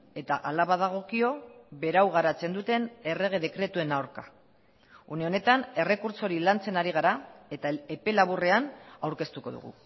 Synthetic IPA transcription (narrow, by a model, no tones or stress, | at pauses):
e̞t̪aʔalaβaðaɣ̞o̞kio̞βe̞ɾawɣaɾat͡se̞nd̪ut̪e̞ne̞re̞ɣ̞e̞ð̞e̞kɾe̞t̪ue̞nawɾka | uneo̞ne̞t̪ane̞re̞kuɾso̞ɾilant͡se̞naɾiɣ̞aɾae̞t̪aepe̞laβure̞anawɾke̞st̪uko̞̰ðṵɣ̞ṵ